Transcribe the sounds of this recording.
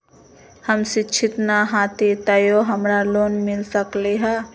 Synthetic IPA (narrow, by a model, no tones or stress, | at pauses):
həmsɪt͡ʃʰɪt̪naɦaːt̪ʰet̪əjoɦəmɾaloːnmɪlsəkleɦɛ